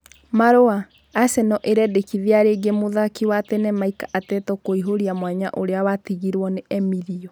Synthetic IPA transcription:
maɾoaː | sɛnɔʔeɾɛdekiðeaɾeɡemoðakiwatɛnɛmaikaʔatɛtɔkoiɦoɾiamwaɲa̰ʔoɾeawatiɣiɾwɔneɛmiɾiɔ

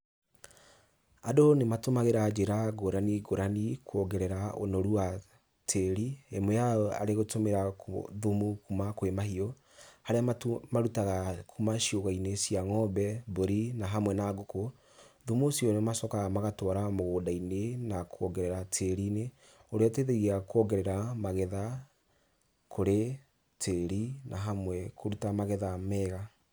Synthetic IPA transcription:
adonematomaɣeɾad͡ʒeɾaɡoɾaniɡoɾanikwɔɡɛɾɛɾaonoɾua | tʰeɾiemejaɔa̰ɾeɣotomeɾakðomukumakwemahiɔ | haɾeamaɾutaɣakʰumaʃioɣainesiaŋɔbɛboɾinaɦamwɛnaɡoko | ðomosiɔnemasɔkaɣamaɣatwaɾamoɣoːdainenakʰoɔɡɛɾɛɾatʰeɾine | oɾeɛteðeɣiakwɔɡɛɾɛɾamaɣɛða | kʰoɾe | tʰeɾinaɦamwɛkʰoɾutamaɣɛðamɛːɣa

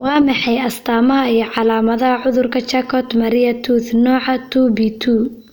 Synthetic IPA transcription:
wɑːmɑħɑjɐst̪ʰaːmɐɦɐijɞʕɑlaːmɐðɐɦɐʕʊðʊrkʰɐt͡ʃɐkʰɔd̪mɐɾɪjɐt̪ʰuːθnɔːʕɑt̪ʰuːbit̪ʰuː

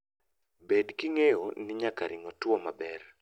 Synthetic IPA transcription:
bedkiŋejonɪɲakaɾʔɪŋɔtwɔmabɛr

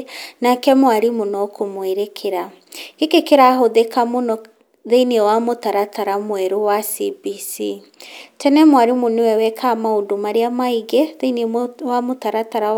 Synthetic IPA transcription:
nakɛmwaɾimonɔkʰomweɾekʰeɾa | ekekeɾaɦoðekamonɔ | ðeiniɛwamotaɾataɾamwɛɾowasibisi | tɛnɛmwaɾimonewɛwɛkʰamaodomaɾeamaiɣɛðeinewamotaɾataɾa

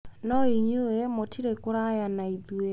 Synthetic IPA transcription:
nɔiɲuwemotʰiɾekoɾajanaiðwe

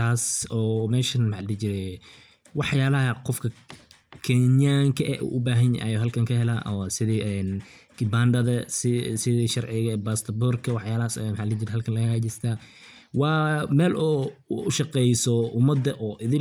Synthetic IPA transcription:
aːsɔːmɛːʃɐnmħaːd̪lɛt͡ʃɪɾɛ | wɑħjaːlɐɦɐqɔfkʰɐ | kʰɛnjaːŋkʰɐʔɛʔṵːʔʊbaːɦɐnj̰jɔːɦɐlkʰɐŋkʰɐɦɛla̰ːʔɔsɪðiɛn | kɪbaːnd̪ɐðɐssɪðiʃɐrʕɪɣɐbaːst̪ʰɐburkʰɐwɑħjaːlɐhasmħaːd̪lɛt͡ʃɪɾɛɦɐlkʰɐnlɐɣɐaːt͡ʃɪst̪ʰaː | wɑːmɛːlʔʊʃɑqɛjsɔʊmɐd̪ːɐʔɔːʔɪðɪ̃

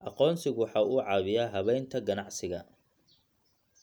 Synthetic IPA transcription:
ʔɑqɔːnsɪɣʊwħɑːuːʕɑːβɪjaːɦɐβɛjnt̪ʰɐɡɐnɑʕsɪɣɐ

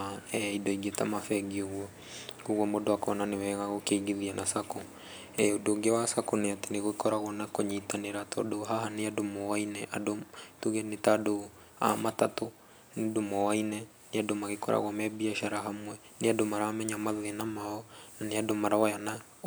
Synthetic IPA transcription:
ɛidɔiɡeta̰mafɛɡioɣwɔ | koɣwɔmodoakɔnanewɛɣaɣokeiɡiðianasako | ɛodoɡewasakoneateneɣokɔɾaɣɔnakoɲitaneɾatɔ̰doɦaɦaneadomɔwainɛʔa̰dotuɣɛnetado | a̰matato | nedomɔwainɛ | neadomaɣekɔɾʔa̰ɣwɔmɛbiaʃaɾaɦamwɛ | neadomaɾamɛɲamaðenamaɔnaneadomaɾawajana

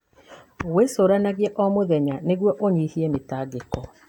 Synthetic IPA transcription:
owesoːɾanaɣiɛʔɔmoðɛɲaneɣwɔʔoɲihiɛmetaɡekɔ

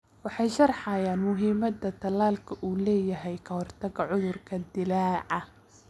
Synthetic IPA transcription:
wɑħɑjʃɐrħɑjaːnmʊɦiːmɐd̪ɐt̪ʰɐlaːlkʰɐʔuːlɛːjɐɦɛjkʰɐhɔrt̪ʰɐɡɐʕʊðʊrkʰɐd̪ɪlaːʕɐ

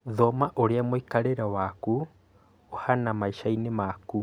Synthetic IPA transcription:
ðɔmaʔoɾeamoikaɾeɾawaku | ohanamaiʃainemaku

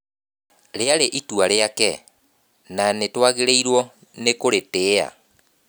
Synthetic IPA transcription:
ɾeaɾeʔituaɾeakɛ̰ | nanetwaɣeɾeiɾwɔ | nekoɾeteːa̰

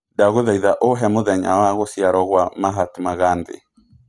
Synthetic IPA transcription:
daɣoðɛiðaʔoɦɛmoðɛɲa̰waɣosjaɾɔɣwamaɦatmaɣandḛ

